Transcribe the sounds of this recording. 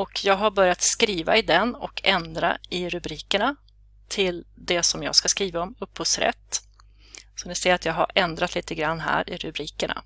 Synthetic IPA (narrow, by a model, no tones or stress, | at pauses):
ɔkʰjɑːɡɦaɾbœɾjat̪skɾiːva̰ɪd̪ɛnɔkʰɛnd̪ɾa̰ɪɾɵbɾiːkəɳa | t̪ʰɪld̪ɛsɔmjɑ̰ːɡskaskɾiːvaɔmɵpːhʊːsɾɛ̰t̪ː | sɔnɪsɛjəɾat̪jɑːɡɦa̰ɾʔɛnd̪ɾat̪ʰliːt̪əɡɾanːɦæ̰ːɾɪɾɵ̰bɾiːkəɳa̰